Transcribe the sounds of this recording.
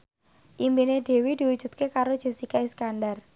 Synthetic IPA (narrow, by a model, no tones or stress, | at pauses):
ʔimbineɖ̥e̤wid̪̥i̤wud̥ʒ̥ṳt̪̚kekaɾodʒ̥e̤sikaiskandar